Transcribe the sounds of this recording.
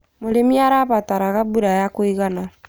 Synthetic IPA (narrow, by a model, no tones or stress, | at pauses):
moɾemjaɾaβataɾaɣabuɾajakoiɣana